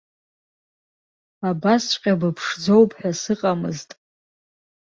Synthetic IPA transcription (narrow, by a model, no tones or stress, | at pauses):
abast͡ɕʷqʲʼabɨpʰʂd͡zowpʰʼħᶣasɨqʼamɨ̰ztʼ